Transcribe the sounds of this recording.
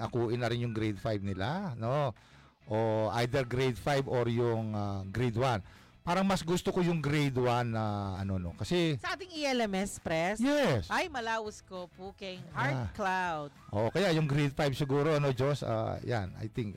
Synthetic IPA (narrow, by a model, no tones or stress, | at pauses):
ŋɐkuːʔɪnːɐɾɪnjʊŋɡɾejd̪̚fajb̚nɪlano̞ | ʔoʔajd̪ɛɾɡɾejd̪fajboɾjʊŋaɡɾejd̪wan | paːɾɐŋmɐsɡʊst̪okojʊŋɡɾejd̪wanːɐʔɐno̞no̞kɐsɛsɐʔaːt̪ɪŋiɛlmɛspɾɛsjjɛsʔajmɐlaːwɐskopuːkɛŋhaɹklawd̪̥̚ʔo̰ːʔokɐjajʊŋɡɾejd̪̚fajb̚sɪɡuːɾo̞ʔɐno̞d͡ʒo̞sa̰ja̰nʔa̰jt̪ɪŋk